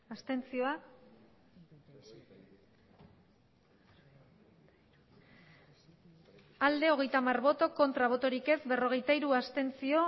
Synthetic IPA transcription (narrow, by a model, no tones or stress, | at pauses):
ast̪e̞nt͡sio̞a | ald̪e̞o̞ɣ̞e̞jt̪amarβo̞t̪o̞ko̞nt̪ɾaβ̞o̞t̪o̞ɾike̞zbe̞ro̞ɣ̞e̞jt̪aiɾuast̪e̞nt͡sio̞